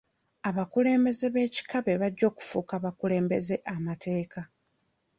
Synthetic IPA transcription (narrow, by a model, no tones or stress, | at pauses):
aβakule̞ːmbe̞ze̞βe̞ːci̥kaβe̞βaɟːo̞ːku̥fuːkaβakule̞ːmbe̞ze̞ʔamatʰe̞ːka